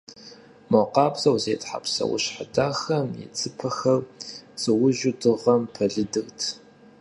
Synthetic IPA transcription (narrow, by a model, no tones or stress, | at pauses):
moqɑːpzɐwzeːtħa̰psɐ̰wʊ̰ɕħadaːxɐmjɛ̰t͡sʰʼɨpʰɐxɐrsɨwʊʒʊdɨʁɐmpʰɐɮɨdɨɣtʰ